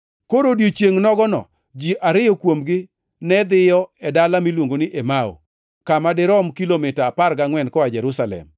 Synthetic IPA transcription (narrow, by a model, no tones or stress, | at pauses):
koɾodjit͡ʃjeŋnɔɡɔnɔ̰ | d͡ʒiʔaɾɪjɔkwomɡɪ | nɛd̪ɪjɔɛdalamilwoŋɡonɪʔemao̰ | kamadɪɾɔmkilomɪtaːparɡaŋwɛnkɔad͡ʒɛɾusalɛ̰m